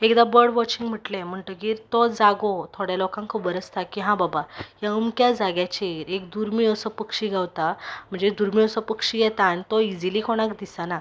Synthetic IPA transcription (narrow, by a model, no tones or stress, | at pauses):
ekd̪abəɾɖʋɔt͡ɕiŋɡm̤əʈlem̤əɳʈ̪əkiːɾt̪od͡zaɡot̪ʰoɽjalokãŋkʰəbəɾəst̪akiɦãbabajaəmkjad͡zaɡjat͡ɕeɾek̚d̪uɾmĩəsəpəkʂiɡawt̪am̤əɳd͡zed̪uɾmiəsəpəkʂijɛt̪aːnit̪oid͡zilikʰoɽ̃akd̪isana